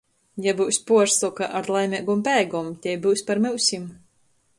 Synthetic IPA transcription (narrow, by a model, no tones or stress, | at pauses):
jabɨwsʲpuɔɾsɔkaʔaɾlˠajmʲiɛɡumpæːɡɔmt̪ʲɛjbɨwsʲpaɾmɨwsʲim